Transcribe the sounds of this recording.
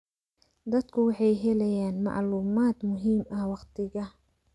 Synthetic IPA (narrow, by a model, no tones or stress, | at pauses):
d̪ɐd̪kʰʊwɑħɑjɦɛlɛjaːnmɑ̰ʕluːmaːd̪mʊɦiːmɐhwɑqt̪ʰɪɣɐ